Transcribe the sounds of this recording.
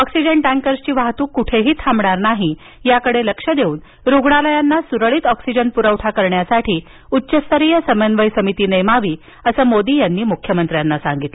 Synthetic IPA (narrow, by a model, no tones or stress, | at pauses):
ɔksid͡ʑəɳʈʈæ̃ŋkəɾst͡ɕiːʋaɦt̪uːkːuʈʰeɦiːt̪ʰambɳaɾnaɦi | jakəɽeləkʂəd̪euːn | ɾuɡɳ̃aləjanːasuɾəɭiːt̪ɔksid͡ʑənpuɾəʋʈʰakəɾɳjasaʈʰiː | utːɕəst̪əɾijəsəmənʋəjsəmit̪iːnəjmaʋiː | əsəːmod̪iːjanːiːmukʰjəmənt̪ɾjanːasa̰ŋɡit̪le